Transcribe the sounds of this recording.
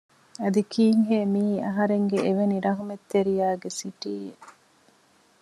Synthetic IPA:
ɐd̪ikiːŋɦeːmiːɐɦɐɾeŋɡeʔeʋeniɾɐɦumet̪ːeɾijaːɡesiʈiːe

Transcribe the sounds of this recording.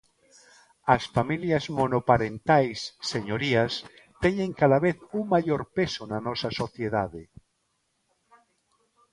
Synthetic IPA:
asfamiljazmonopaɾent̪ajsːeɲoɾias | t̪eɲẽŋkaðaβeθuŋmaʎoɾpesonanɔsasoθjeðaðe

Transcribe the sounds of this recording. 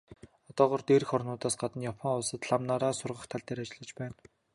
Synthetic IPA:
ɔt̪ɔːʁɔːrt̪eːɾɘ̆xɔrnʊːt̪aːsɢat̪ə̆njapʰɔŋʊɮsə̆t̪ɮamnaɾaːsʊrʁə̆χt̪ʰaɮt̪eːɾat͡ɕɪ̆ɮə̆t͡ɕpæːn

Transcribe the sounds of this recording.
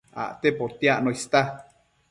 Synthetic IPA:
a̰ʔt̪epot̪iaʔnoist̪a

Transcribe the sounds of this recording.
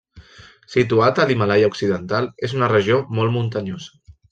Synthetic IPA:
sit̪uat̪əlimalajauksiðənt̪alezunərəʒiomɔlˠmunt̪əɲoz̥ə

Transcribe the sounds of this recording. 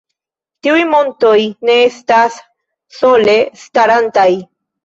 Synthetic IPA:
t̪iujmo̞nto̞jne̞est̪asː | o̞le̞st̪aɾantaj

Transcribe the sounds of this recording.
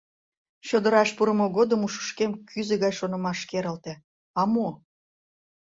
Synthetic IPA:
ɕod̪əɾɑʃpuɾəmoɣod̪əmuʃə̥ʃkemkʰyzeɣɑjʃonə̆mɑʃkeɾəlt̪ĕ | ɑmo

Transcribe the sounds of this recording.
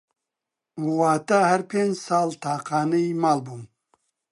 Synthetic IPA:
uwaːt̪ahɐɾpʰeːnd͡ʒsɑːlt̪ʰaːqaːnɐjmaːlbuːm

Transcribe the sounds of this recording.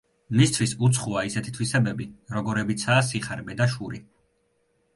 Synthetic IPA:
mist̪ʰwisut̪sʰχuaisɛt̪ʰi̥t̪ʰwisɛbɛbiɾɔɡɔɾɛbit̪sʰaːs̬iχaɾbɛd̪aʃuɾi

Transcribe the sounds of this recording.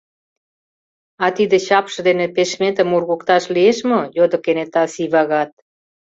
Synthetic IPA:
ɑt̪id̪ĕɕɑpʃɤ̆d̪enĕpeʃmet̪ə̆mːurɣukt̪ɑʃlieʃmojod̪ŏkenet̪ɑsiβɑɣɑt̪̚

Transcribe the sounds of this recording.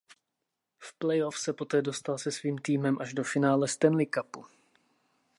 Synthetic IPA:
fplɛjofsɛpo̞t̪ɛːdo̞st̪alsɛsviːmt̪iːmɛmʔaʒdo̞fɪnaːlɛst̪ɛnlɪkapu

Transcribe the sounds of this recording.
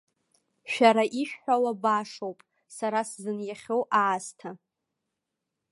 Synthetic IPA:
ʃᶣaɾaʔiʃᶣħʷᶣawabaʂowpʼ | saɾaszɨnjaχʲowʔaːstʰa

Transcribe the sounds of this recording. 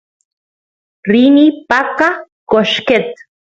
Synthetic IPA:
rinipaka | koʃket̪̚

